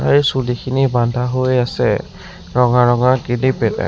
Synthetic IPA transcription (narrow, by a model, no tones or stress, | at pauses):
ajsulikʰinibandʱaɦojasɛ̰ | ɹɔŋaɹɔŋaɡilipɛtɛ̰